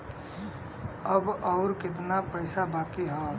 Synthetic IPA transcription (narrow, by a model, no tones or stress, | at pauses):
əbɔʊɾkɪt̪̬napəɪsabaːkeɦɔː